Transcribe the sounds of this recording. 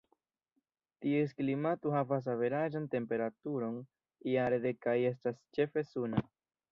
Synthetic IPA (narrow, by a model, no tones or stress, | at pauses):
tiesklimatohavas̬ave̞ɾaʒante̞mpe̞ɾatuɾo̞n | iaɾed̪e̞kaje̞s̬tast͡ʃe̞fe̞suna